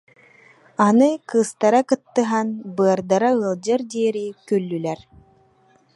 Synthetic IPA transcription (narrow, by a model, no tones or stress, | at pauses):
anɯkɯːst̪aɾakɯt̪ːɯɦanbɯɐɾd̪aɾaɯɐlˠd͡ʑɯɾd̪iːɾikœlːylɛɾ